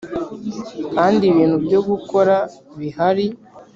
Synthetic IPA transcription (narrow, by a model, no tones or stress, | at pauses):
kaːndiβiːn̥hubɟo̞ɡuko̞ɾaβihaɾi